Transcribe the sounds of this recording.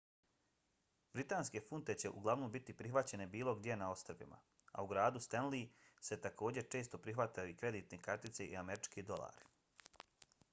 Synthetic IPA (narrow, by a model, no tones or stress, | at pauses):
bɾit̪aːnske̞funt̪e̞t͡ɕe̞ʔuɡlˠaʋnombit̪ipɾixʋat͡ɕe̞ne̞biːlˠo̞ɡd̪je̞nao̞st̪r̩bḭma̰ | a̰uɡɾaːd̪ust̪enlise̞t̪ako̞ːd͡ʑe̞t͡ʃe̞ːst̪o̞pɾixʋat̪ajuikɾe̞d̪iːt̪ne̞kaɾt̪it̪se̞ʔḭameɾit͡ʃkid̪o̞lˠa̰ːɾi